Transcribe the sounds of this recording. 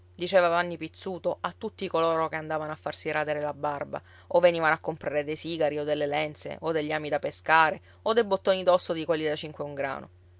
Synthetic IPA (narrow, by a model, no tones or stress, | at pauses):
d̪it͡ʃeːvavanːipit̪sːuːt̪oat̪ːut̪ːikoloːɾokeand̪aːvanoafːarsiɾad̪eɾelabarba̰ | ovːeniːvanoakːompɾaːɾed̪ejsiːɡaɾiod̪ːelːelɛnt̪sḛʔod̪eʎːiaːmid̪apeskaːɾe | od̪ejbot̪ːoːnid̪ɔsːod̪ikwelːid̪at͡ʃiŋkweuŋɡɾa̰ːno̰